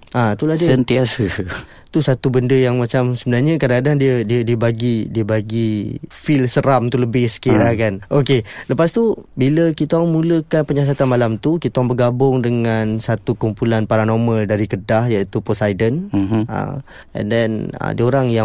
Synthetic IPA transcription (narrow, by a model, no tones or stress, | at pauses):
ʔat̪ulad͡ʒəsənt̪iasə | t̪usat̪ubəndəjaŋmat͡ʃamsəbənarɲakadakadaŋdiədiədiəbaɡidiəbaɡifilsəɾamt̪uləbɪhsə̥kiɾahkanokeləpast̪ubiləkit̪aŋmuləkanpəɲas̬at̪anmalamt̪ukit̪aŋbəɡabʊŋdəŋansat̪ukumpulanpaɾanoməldaɾikədahjait̪uposajdənə̰ | ɛ̰ndɛnə̰dioɾaŋja